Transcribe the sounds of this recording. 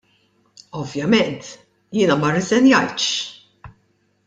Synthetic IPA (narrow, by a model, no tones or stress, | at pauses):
ɔvjɐmɛnt̪ | jɪːnɐmɐrɛzɛnjɐjt̪ʃ